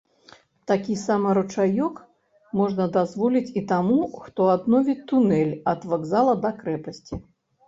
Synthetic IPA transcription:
t̪akʲisamɐɾut͡ʂajɔk | mɔʐnɐd̪azvɔlʲit͡sʲit̪amuxt̪ɔad̪nɔvʲit̪unɛlʲɐd̪vaɡzalˠɐd̪ɐkɾɛpɐsʲt͡sʲi

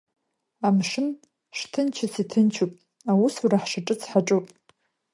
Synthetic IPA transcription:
amʂɨn | ʂtʰɨnt͡ʃʰɪt͡sʰitʰɨnt͡ʃʰupʼ | awusuraħʂaʈ͡ʂʼɨt͡sʰħaʈ͡ʂʼupʼ

